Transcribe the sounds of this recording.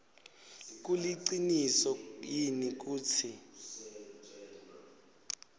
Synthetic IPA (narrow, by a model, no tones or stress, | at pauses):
k̬uliǀinisɔjinik̬uːt͡sʰi